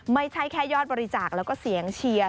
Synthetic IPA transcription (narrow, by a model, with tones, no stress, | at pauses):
ma˥˩jt͡ɕʰa˦˥˩jkʰɛː˥˩jɔː˥˩t̪̚bɔː˧ɾi˧t͡ɕaː˨˩k̚lɛː˦˥wkɔː˥˩si˩˦əŋt͡ɕʰi˧ɐ